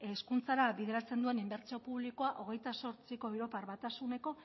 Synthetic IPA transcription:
eskunt͡saɾaβið̞e̞ɾat͡se̞nd̪ue̞nimbe̞ɾt͡sio̞puβliko̞aʔo̞ɣ̞e̞jt̪aso̞ɾt͡siko̞ewɾo̞paɾβat̪asune̞ko̞

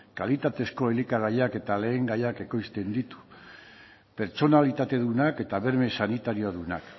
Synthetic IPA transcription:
kalit̪at̪e̞sko̞elikaɣajake̞t̪ale̞ːŋɡajake̞ko̞jst̪e̞nd̪it̪u̥ | pe̞ɾt͡ʃo̞nalit̪at̪e̞ðunake̞t̪aβe̞ɾme̞sanit̪aɾioaðunak

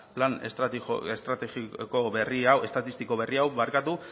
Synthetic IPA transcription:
planesest̪ɾat̪eɣiko̞βe̞riawe̞st̪at̪ist̪iko̞βe̞riawβaɾkat̪u

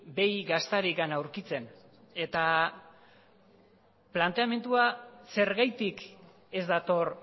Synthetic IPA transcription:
be̞jɡast̪aɾikanawɾkit͡se̞n | e̞t̪a | plant̪e̞ame̞nd̪uase̞ɾɣajt̪ik | e̞zd̪at̪o̞r

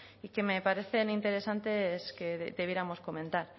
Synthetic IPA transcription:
ike̞me̞paɾe̞θe̞nint̪e̞ɾe̞sant̪e̞ske̞d̪e̞βje̞ɾamo̞sko̞mẽnt̪aɾ

